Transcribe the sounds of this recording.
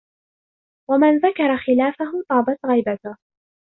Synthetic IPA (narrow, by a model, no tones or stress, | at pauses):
wamanðakɑɾˤɑxɪlaːfaɦʊt̪ˤɑːbɑt̪ɣajbat̪ʊh